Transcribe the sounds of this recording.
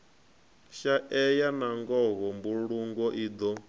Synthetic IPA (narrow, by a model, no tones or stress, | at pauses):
ʃaʔɛjanaŋɡɔɣɔmbuɺuŋɡɔʔiːd̪ɔ